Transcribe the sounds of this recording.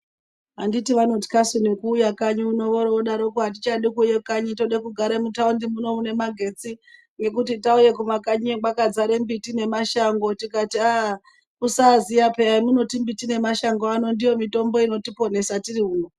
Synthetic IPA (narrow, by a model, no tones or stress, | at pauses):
ɦanditiʋano̞ti̥kasunikuːjakaɲuuno̞ʋoɾooɗaɾokuɦat̬it͡ʃaɗikujekaɲito̞ɗekuɡʱaɾemutaundimuno̞mune̞maɡʱe̞t͡si | ne̞kutitauje̞kumakaɲieɡwakad͡zaɾembitine̞maʃaŋɡo̞tikatia | usazijapeamuno̞timbitine̞maʃaŋɡano̞ndijo̞mito̞mbo̞ino̞tipo̞ne̞satiriuːno